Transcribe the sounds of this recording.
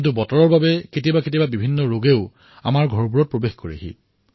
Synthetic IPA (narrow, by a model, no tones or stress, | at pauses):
nt̬ubɔtɔɹɔɹbabɛketibaket̬ibabibʱinːɔɹoɡeʊ | a̰maɹɡʱɔɹbuɹɔt̚pɹobexkoɹia̰ɦḭ